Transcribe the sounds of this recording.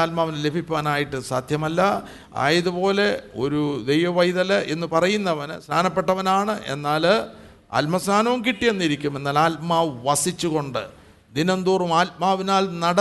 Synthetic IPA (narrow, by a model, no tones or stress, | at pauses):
aːlmaːʋɐnɨle̞bʱipʲːaːnaːjiʈːɨsaːd̪ʱjɐmɐlːɐ | a̰ːjɐðupo̞ːle̞o̞ɾud̪e̞jʋɐʋɐjðɐlɐʔe̞nːɨpɐrɐjunːɐʋɐnɨsnʰaːnɐpːe̞ʈːɐʋɐnaːɳɨʔe̞̰nːaːl | ɐ̰lmɐsnaːnɐʋumkiʈːijenːiɾikʲːume̞nːaːlaːlmaːʋɐsit͡ɕːuɣo̞ɳɖɨ̰ | d̪inɐnd̪uːrumaːlmaːʋinaːlnɐɽɐ